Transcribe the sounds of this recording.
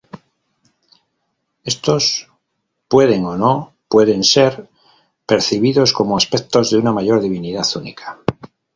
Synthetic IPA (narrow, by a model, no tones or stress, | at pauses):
e̞st̪o̞s | pwe̞ð̞e̞ŋo̞no̞ | pwe̞ðe̞nseɾ | pe̞ɾθiβ̞iðo̞sko̞moaspe̞k̚t̪o̞zðeunamaʝo̞ɾðiβ̞iniðaθunḭkʰḁ